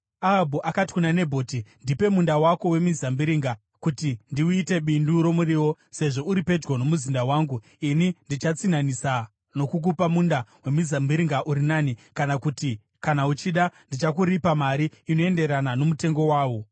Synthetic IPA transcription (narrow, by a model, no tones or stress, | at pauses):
aɦabʱuʔakati̥kunane̞bʱoːtindipe̞mundawako̞we̞mizambiɾiːŋɡa | kutindiuite̞ɓinduɾo̞muriwo | se̞ʐo̞uɾipe̞d͡ʒɡono̞muzindawaːŋɡu | inindit͡ʃat͡sinanisa | no̞kuk̬upamundawe̞mizambiɾiŋɡaʔuɾinanikanakuti | kanaut͡ʃiɗandit͡ʃakuɾipamaɾiino̞e̞nde̞ɾanano̞mute̞ŋɡo̞waːwo̞